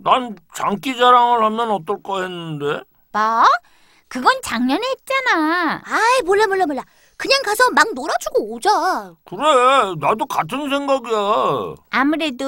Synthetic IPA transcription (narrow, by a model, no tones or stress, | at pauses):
nant͡ɕaŋk͈id͡ʑaɾaŋɯɭhamjʌnʌt͈ʌɭk͈ʌɦenːɯnde̞ | ba | kɯɡʌnt͡ɕaŋɲʌnɦet̚t͡ɕ͈anaaimoɭːamoɭːamoɭːa | kɯɲaŋkasʰʌmaŋnoɾad͡ʑuɡod͡ʑakɯɾenadokatʰɯnsʰe̞ŋɡaɡiaamɯɾe̞do